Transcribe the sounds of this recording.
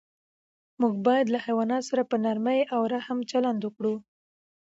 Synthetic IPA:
muɡ̚bɑjad̪lahajwɑnɑt̪osaɾapənaɾməjʔawɾahamt͡ʃaland̪wʊkɽu

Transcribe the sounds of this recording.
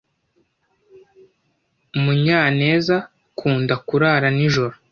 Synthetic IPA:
muɲaːne̞ːza | kʰuːndakuɾaːɾaniʒoɾo

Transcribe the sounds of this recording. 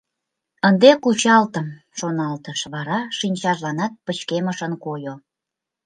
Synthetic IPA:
ənd̪ekut͡ɕɑlt̪əm | ʃonɑlt̪əʃβɑɾɑʃinʲt͡ɕɑʒlɑnɑt̪̚pət͡ɕkeməʃənkojo

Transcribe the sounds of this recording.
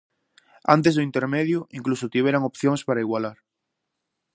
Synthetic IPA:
a̰nt̪ezðoint̪eɾmeðjuʔiŋklusot̪iβjeɾaŋopθjoŋspaɾaiɣwalaɾ

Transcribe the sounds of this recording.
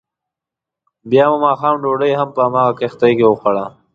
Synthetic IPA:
bjɑːmumɑːxɑːmɖoɖəjɦampəamɑːɣakext̪ajkewoxaɽa

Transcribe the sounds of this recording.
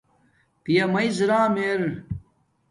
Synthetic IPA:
pijɐmɐjzɾaːmeɾ

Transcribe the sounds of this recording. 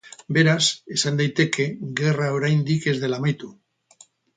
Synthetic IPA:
be̞ɾase̞sand̪ajt̪e̞kʰe̞ɣe̞raoɾajnd̪ike̞zðe̞lamajt̪u

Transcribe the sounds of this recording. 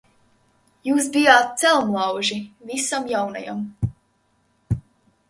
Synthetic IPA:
juːs̬bijaːt̪̚t̪sɛlˠmlˠawʒivisamjawna̰ja̰m

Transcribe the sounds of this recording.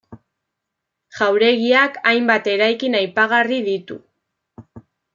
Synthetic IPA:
ʝawɾe̞ɣiakajmbat̪e̞ɾajkinajpaɣ̞ariðit̪ṵ

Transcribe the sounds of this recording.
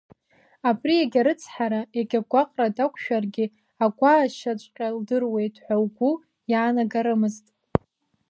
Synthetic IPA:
apʰʼrieɡʲaɾɨt͡sʰħaɾaeɡʲaɡʷaqʼradakʷʰʃᶣarɡʲɪ | aɡʷʼaːʃat͡ʃʷʼqʲʼaldɨrwe̞jtʰʼħʷᶣawɡʷu | jaːnaɡaɾɨmɨztʼ

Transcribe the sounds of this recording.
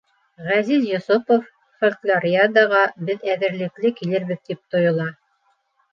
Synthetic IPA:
ʁæzizjŏsopof | folklʲˠaɾʲiad̪ɑʁɑbɘðæðɘ̆ɾlɘ̆klɘkilɘɾβɘ̆ðt̪ip̚t̪ojŏlˠɑ

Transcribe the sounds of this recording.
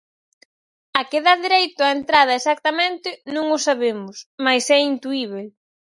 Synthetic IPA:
ɐkeðaðiɾejt̪ʊaent̪ɾað̞ɐesak̚t̪ɐmẽnt̪ɪnũŋʊsaβemʊsmajsɛint̪uiβ̞e

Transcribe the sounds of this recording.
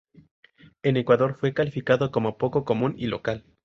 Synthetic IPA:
e̞ne̞kwaðo̞ɾfwe̞kalifikaðo̞ko̞mo̞po̞ko̞ko̞mũnilo̞kal

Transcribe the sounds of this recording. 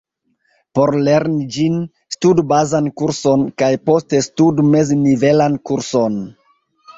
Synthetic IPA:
po̞ɾle̞ɾnid͡ʒin | studbazankuɾso̞nkajpo̞stestudme̞znive̞lankuɾso̞n

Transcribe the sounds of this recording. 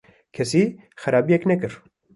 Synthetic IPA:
kʰɛsiː | xɛɾaːbijɛknɛkɨɾ

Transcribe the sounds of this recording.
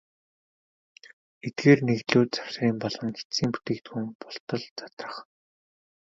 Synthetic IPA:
et̪̚ɡeːrneɣt̪ɮuːt̪t͡saw̥sriːmpɔɮɞ̆ŋxi̥iːmpu̥t̪eːkt̪ɡxuŋpʊɬt̪ə̆ɮt͡sat̪rə̥̆χ

